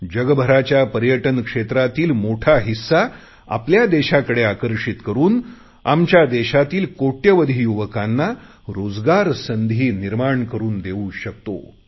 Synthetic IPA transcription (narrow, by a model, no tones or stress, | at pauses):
d͡ʑəɡbʱəɾat͡ɕjapəɾjəʈənkʂet̪ɾat̪iːlmoʈʰaɦisːa | a̰pljad̪eɕakəɽeakəɾʂit̪kəɾuːn | amt͡ɕjad̪eɕat̪iːlkoʈjəʋəd̪ʱiːjuʋəkanːa | ɾod͡zɡaɾsənd̪ʱiːniɾmaɳkəɾuːnd̪euɕək̚t̪o̰